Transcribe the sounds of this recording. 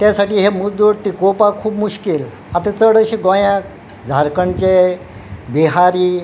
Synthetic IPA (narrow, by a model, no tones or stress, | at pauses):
t̪jasaʈiːɦemud͡zd̪uɽt̪ikopakʰuːpmuɕkil | at̪ẽt͡səɽəɕiɡojãk | d͡zʱaɾkəɳt͡ɕe | biɦaɾiː